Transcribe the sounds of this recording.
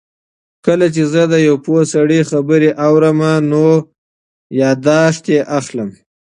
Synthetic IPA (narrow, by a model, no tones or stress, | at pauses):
kəlat͡ʃezəd̪əjawposaɽixabəɾeʔawɾəmano | jɑd̪ɑʃt̪eʔaxləm